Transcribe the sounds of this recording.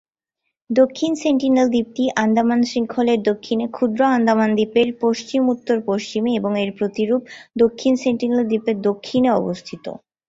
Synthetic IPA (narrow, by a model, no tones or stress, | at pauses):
d̪okʰːinseɳʈineld̪ip̚ʈiʔand̪ʱamanʃiŋkʰoleɾd̪okʰːinekʰud̪ɾoand̪ʱamand̪ipeɾpoʃt͡ɕimut̪ːoɾpoʃt͡ɕimeeboŋeɾpɾot̪iɾub̚d̪okʰːinseɳʈineld̪ipeɾd̪okʰːineɔbost̪ʰit̪o̰